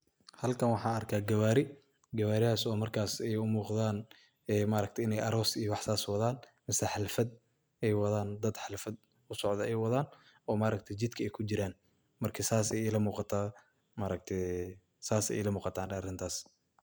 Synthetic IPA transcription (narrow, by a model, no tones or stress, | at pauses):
hɐlkʰɐnwɑħɑːɐrkʰaːɡɐwaːɾɪ | ɡɐwaːɾɪhaːsɔːmɐrkʰaːsɛjʊmuːqðaːn | ɛːmaɾɐk̚t̪ʰɛɪnɛjʔɐɾɔːsijɔwɑħsaːswɑðaːn | mɪsɛħɪlfɐd̪̚ | ɛjwɐðaːnd̪ɐd̪ħɪlfɐd̪̚ | ʊsɔʕd̪ɐɛjwɐðaːn | ɔːmaːɾɐk̚t̪ʰɛd͡ʒɪd̪kʰɐɛjkʰʊd͡ʒɪɾaːn | mɐrkʰɐsaːsɛjɛlɐmuːqɑt̪ʰaː | maɾɐk̚t̪ʰɛ | saːsɛ̰jlɐmuːqɑt̪ʰaːnɐrɪnt̪ʰaːs